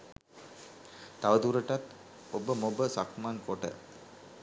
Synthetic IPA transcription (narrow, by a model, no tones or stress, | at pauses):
t̪aʋəd̪uɾəʈat̪ | obəmobəsakmaːnkoʈə̰